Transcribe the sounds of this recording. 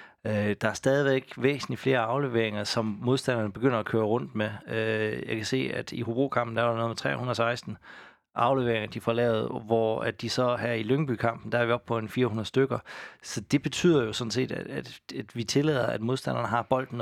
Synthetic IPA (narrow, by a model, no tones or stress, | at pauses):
ød̥ɑ̈æɐsd̥ɛːð̞ˠiʋeɡ̥ʋḛːsn̩lifle̝ːɐɑ̈ʊle̝ʋe̝̰ɐeŋɐsɒ̽mmo̝ðˠsd̥æn̰ɐnəb̥e̝ɡ̥øn̰ɐækʰøːɐʁɔ̽n̰d̥meøjɑ̈ɪkʰæse̝̰ːæd̥ihub̥ʁṵːkʰɑ̈mb̥̚n̩d̥æɾnoːð̩ˠmet͡sʰʁɛ̰ːhunð̩ˠsɑ̈ɪsd̥n̩ | ʔɑ̈ʊleʋe̝ɐeŋɐd̥ifɒlɛ̰ːʊð̞̩ˠʋɒæd̥isɒ̽hæɐ̰iløŋəb̥ykʰɑ̈m̰b̥n̩d̥ææɐʋiɒ̽b̥̚pʰɒ̽e̝nfiːɐhunɐðˠsd̥øɡ̥ɐsɒ̽d̥e̝b̥e̝t͡sʰy̰ð̰ˠɐjo̝sɔ̽n̩s̬e̝̰ːd̥ææ̥æd̥ʋit͡sʰe̝lɛ̰ðˠɐæd̥mo̝ðˠsd̥æn̰ɐnəɦɑ̈b̥ɒ̽l̰d̥n̩